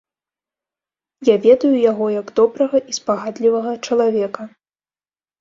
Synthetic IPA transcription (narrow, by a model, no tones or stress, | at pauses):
javʲɛd̪ɐjujaɣɔjɐɡd̪ɔbɾɐɣɐʔispaɣad̪lʲivɐɣɐt͡ʂɐlˠavʲɛkɐ